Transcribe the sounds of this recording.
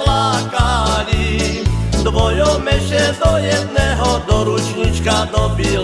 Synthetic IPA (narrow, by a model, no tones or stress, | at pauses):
laːkaɲi | d̪ʋɔjɔmɛʃɛd̪ɔjɛd̪nɛːɦɔd̪ɔɾut͡ʃɲit͡ʃkad̪ɔbil